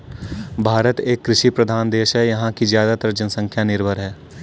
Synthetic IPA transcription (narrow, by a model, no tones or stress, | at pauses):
bʱaːɾət̪eːkːɾɪʃipɾəd̪ʱaːnd̪eːʃɦɛjɐɦãkizjaːd̪at̪əɾd͡ʒənsə̃ŋkʰjanɪɾbʱəɾɦɛː